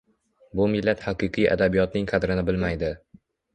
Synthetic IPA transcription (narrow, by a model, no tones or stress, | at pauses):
bʊmɪlːat̪haqɨqʰɨja̰d̪abijɒt̪nɪŋqʰɑd̪ɾɪnɪbɪlmajd̪ɪ